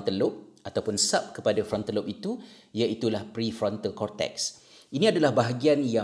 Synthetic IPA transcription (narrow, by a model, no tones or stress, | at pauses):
nt̪əlʊp̚at̪awpʊnsap̚kəpadafɾɔnt̪əlʊp̚it̪u | jaʔit̪ulahpɾifɾɔnt̪alkɔrt̪ɛ̰ks | inĩadalahbaɦaɡianja